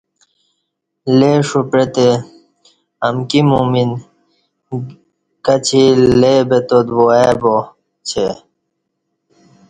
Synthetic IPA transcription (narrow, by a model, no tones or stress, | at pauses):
leʂupɾet̪e | ɐmkimumin | kɐt͡ɕʰilebet̪od̪boebo | t͡ɕʰe